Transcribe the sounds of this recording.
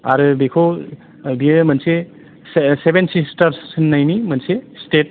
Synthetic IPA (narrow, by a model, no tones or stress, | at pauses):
a̰ɾbekʰow | biemɐnse | sebensisʈɐɾssɯnːajnimɐnsesʈet̚